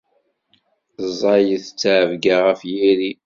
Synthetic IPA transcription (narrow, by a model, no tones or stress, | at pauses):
zˤːɑjəθət͡sːʕəvɡaʁəfjiɾi